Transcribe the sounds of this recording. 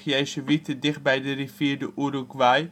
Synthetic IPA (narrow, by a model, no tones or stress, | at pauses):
χjɛjsəʋitədɪχt̚bɛjdərifiːdəʔuɾukʋaj